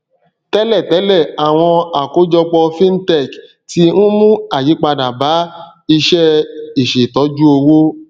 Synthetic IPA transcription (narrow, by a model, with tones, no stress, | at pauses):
tɛ˦lɛ˦˨tɛ˨˦lɛ˦˨a˨w̃ɔ̃˧a˨ko˨˦d͡ʒɔ˧k͡pɔ˧fĩ˦n̩˦tɛ˦˨k | ti˧˦nũ˦mũ˦a˨ji˨˦k͡pa˧da˨ba˨˦ | i˧ʃɛ˦i˨ʃe˨tɔ˨˦d͡ʒu˦o˧wo˦